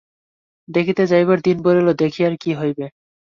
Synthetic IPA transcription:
d̪ekʰit̪ed͡ʑajβaɾd̪inboɾelod̪ekʰijaɾkiɦojbe

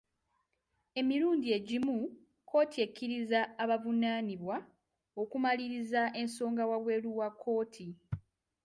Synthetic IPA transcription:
e̞miɾuːndie̞ɟimu | kʰo̞ːtʰiecʰːiɾizaːβavunaːniβwa | o̞kumaliɾizaʔe̞nso̞ːŋɡawaβwe̞luwakʰːo̞ːtʰi

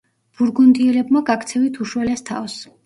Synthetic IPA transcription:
b̥uɾɡund̪iɛlɛbmaɡakʰt̪sʰɛvit̪ʰuʃwɛlɛst̪ʰa̰ɔs

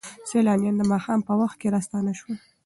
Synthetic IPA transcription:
selɑnjɑnd̪əmɑxɑmpəwaxt̪̚keɾɑst̪ɑnaʃwə

